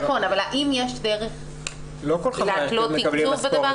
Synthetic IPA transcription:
χo̞navalhaʔimjeʃd̪eʁeχ | lokollealot̪ikuʁbed̪ava

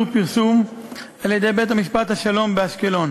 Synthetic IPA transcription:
upiʁsum | aljed̪e̞jbe̞jt̪hamiʃpat̪haʃalo̞mbeaʃke̞lo̞n

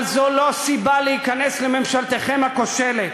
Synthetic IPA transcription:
lzolo̞sibaleikanesleme̞mʃalt̪eχemako̞ʃelet̪

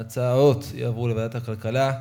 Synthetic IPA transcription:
at͡sao̞t̪ja̰ːvʁulevad̪athakalkala

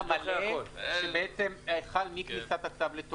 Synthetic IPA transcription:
maleʃebeʔet͡se̞meχalmiknisat̪akt̪avlet̪o

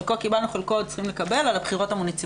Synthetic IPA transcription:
kokibalnuχelkott͡sχimle̞kabe̞lalabχiʁo̞tamonit͡s

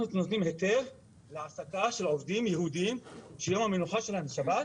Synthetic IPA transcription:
anunot̪nimhe̞t̪e̞ʁ | leʕasakaʃelʕo̞vd̪imjeɦud̪iimʃejo̞mhamenuħaʃe̞lanʃabat̪

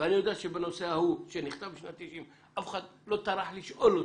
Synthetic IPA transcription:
veanijod̪aat̪ʃebeno̞seahuʃeniχt̪avbiʃnat̪ːiʃim | ʔafxad̪lo̞taɾaħliʃʔolo

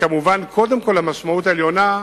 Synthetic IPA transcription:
kamuvankʰo̞d̪e̞mko̞lamaʃmaut̬aeljo̞na

